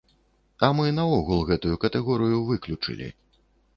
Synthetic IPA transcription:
ɐmɨnɐɔɣulˠɣɛt̪ujukɐt̪ɛɣɔɾɨjuvɨklʲut͡ʂɨ̰lʲḭ

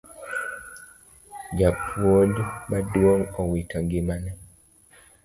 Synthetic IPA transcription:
d͡ʒapʰwolbadwoŋɔwitʰaŋɡimanɛ

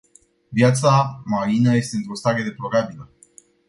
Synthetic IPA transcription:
vjat̪samaɾinəje̞st̪e̞ɨnt̪ɾo̞st̪aɾe̞d̪e̞plo̞ɾabilə

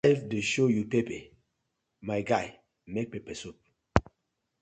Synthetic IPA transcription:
vdeʃojupepɛ | maɪɡaɪ | mek̚pepɛsup̚

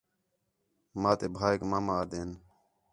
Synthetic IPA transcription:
mãːt̪eːbʱaːekmaːmaːd̪eːn

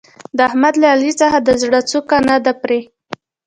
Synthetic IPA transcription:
d̪əahmad̪laːlit͡saxad̪əzɽət͡sokanad̪apɾe

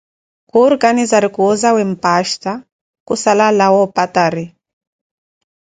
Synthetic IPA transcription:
kuɾkanizaɾikuɔzawem̩paʃta | kusalalawɔpataɾi

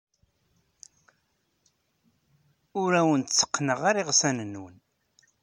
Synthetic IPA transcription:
ʊɾæwənt̪t͡sːə̥qːnəʁaɾiʁsænənːwən

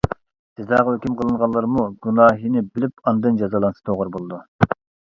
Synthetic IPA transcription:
sɪzd̪ɑːʁæøkʲymqʰəlˠɨɴʁɑnlˠːɑɾmuɡʲunɑːɦinɪbɪlɪpɑnd̪ɨnd͡ʒɑzɑlˠɑnsɨ̥t̪ʰoʁəɾbolˠɨd̪u

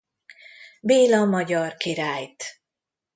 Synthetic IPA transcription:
beːlɒmɒɟɒrkiɾaːjt̪

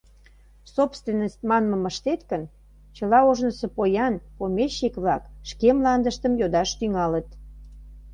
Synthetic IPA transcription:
sopst̪venːəsʲt̪̚ʲmɑnmə̆məʃt̪et̪kən | t͡ɕəlɑoʒnəsə̆pojɑnpomʲeʃikβlɑkʃkemlɑnd̪əʃt̪əmjod̪ɑʃt̪yŋɑlət̪

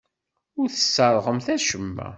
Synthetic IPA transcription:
ʊɾθə̥sːɑɾˤʁəmθæʃəmːæ̰

